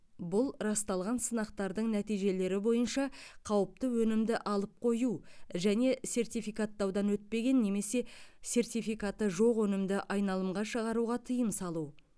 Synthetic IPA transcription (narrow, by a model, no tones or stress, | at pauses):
bʊlˠɾɑst̪ɑlˠʁɑnsənɑq̚t̪ɑɾd̪əɴnæt̪ijʒe̞le̞ɾɪbo̞jənʃɑqʰɑwəp̚t̪əwɵnɪmd̪ɪʔɑlˠəp̚qʰo̞juʒæne̞se̞rt̪ijfijkat̪ːɑwd̪ɑnwɵt̪̚pe̞ɡʲe̞nːe̞me̞se̞se̞rt̪ijfijkat̪ːəʒo̞qwɵnɪmd̪ɪʔɑjnɑlˠəmʁɑʃəʁɑɾuʁɑt̪ʰəjənsɑlˠu